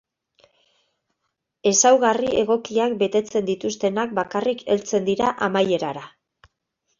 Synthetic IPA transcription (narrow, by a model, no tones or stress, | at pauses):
e̞sawɣarie̞ɣ̞o̞kiakbe̞t̪e̞t͡se̞nd̪it̪ust̪e̞nak̚bakarike̞lt͡se̞nd̪iɾaʔamaje̞ɾaɾa